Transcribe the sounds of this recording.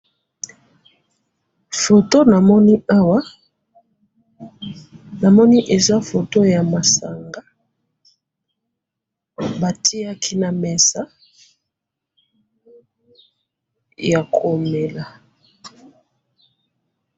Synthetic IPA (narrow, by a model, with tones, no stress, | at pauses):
fo˨to˦na˨mɔ˦ni˦a˦wa˦ | na˨mɔ˦ni˦ʔe˨za˦fo˨to˦ja˨ma˨sa˨ŋɡa˦ | ba˨tʰi˦a˦kʰi˦na˨mɛ˨sa˦ | ja˨kʰo˨me˨la˨